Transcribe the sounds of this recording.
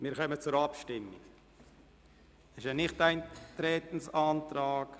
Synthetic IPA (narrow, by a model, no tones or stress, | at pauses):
mɪːɾχœmət͡sʊɾɑpʃtɪmːik | ɪʃənɪχtaɪnt̪ɾɛːt̪ən̩sɑːntɾaːk